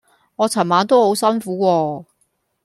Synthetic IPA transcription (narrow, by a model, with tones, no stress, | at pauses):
ŋɔː˨˧t͡sʰɐ˨˩nmaː˨˧˥nt̪o˥who˨˥wsɐ˥nfuː˨˥wɔː˧